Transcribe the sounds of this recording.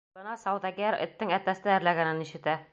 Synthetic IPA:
ɤ̆nɑsɑwd̪ɑɡæɾʔɘ̰̆t̪ːɘŋæt̪æsnææɾlæɡænɘniɕɘ̆t̪æ

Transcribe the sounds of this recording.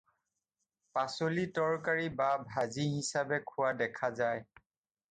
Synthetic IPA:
pasolitɔɹkaɹibabʱaziɦisabɛkʰʊwadɛkʰazaj

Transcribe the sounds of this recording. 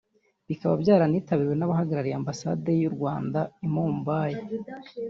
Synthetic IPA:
βikaβabjaːɾaniːtaβiɾwe̞naβaɦaɡaɾaɾiambasade̞juɾɡwaːndaimuːmbaːje

